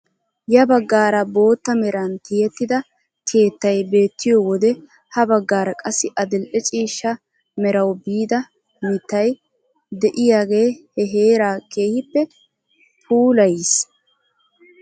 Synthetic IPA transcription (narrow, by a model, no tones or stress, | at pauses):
jɐbɐɡːaːɾɐbo̞ːt̪ːɐmɛɾɐnt̪ɪjɛt̪ːɪd̪ɐ | kʰe̞ːt̪ːɐjbe̞ːt̪ːɪjɔwɔd̪ɛ | hɐbɐɡːaːɾɐkʼɐsːɪʔɐd̪ɪlʔɛt͡ʃʼiːʃːɐ | mɛɾɐwbiːd̪ɐ | mɪt̪ːɐj | d̪ɛʔɪjaːɡe̞ːhɛɦeːɾaːkʰe̞ːhɪpːɛ | pʰuːlɐjs